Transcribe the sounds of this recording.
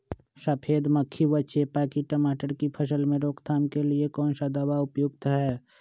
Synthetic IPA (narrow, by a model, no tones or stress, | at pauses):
səpʰeːd̪məkʰːiʋətːʃepaːkiʈəmaːʈəɾkipʰəsəlmẽɾoːkt̪ʰaːmkeliekɔːnsad̪əwaʊpjʊɡ̚t̪ɦɛː